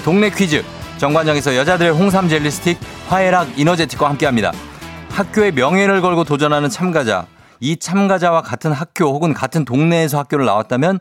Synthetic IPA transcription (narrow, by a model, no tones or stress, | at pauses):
toŋne̞kʰɥid͡ʑɯ | t͡ɕʌŋɡwand͡ʑʌŋe̞s̬ʰʌjʌd͡ʑadɯɾe̞ɦoŋs̬ʰamd͡ʑeʎːisʰɯ̥tʰik̚ɸwae̞ɾaɡinʌd͡ʑetʰi̥k͈̚wahamk͈e̞ɦamɲida̰hak̚k͈joe̞mjʌŋɦe̞ɾɯɭɡʌɭɡotod͡ʑʌnɦanɯnt͡ɕʰamɡad͡ʑa̰ | it͡ɕʰamɡad͡ʑawakatʰɯnɦak̚k͈johoɡɯnkatʰɯntoŋne̞ːs̬ʰʌhak͈joɾɯɭna̰wat̚t͈amjʌn